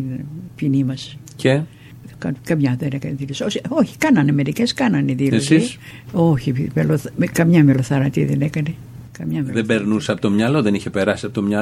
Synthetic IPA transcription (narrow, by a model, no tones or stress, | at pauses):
pinimɐs | ce | kɐkɐmɲɐðenekɐneðilososioçi̥kɐnɐnɐmeɾiceskɐnɐniðilesisoçimeloθkɐmɲɐmeloθɐɾɐt̪iðḛnekɐne | kɐmɲɐmeðebeɾnuseɐpot̪o̞mɲɐloðe̞niçepe̞ɾɐsi̥sɐpot̪omɲɐ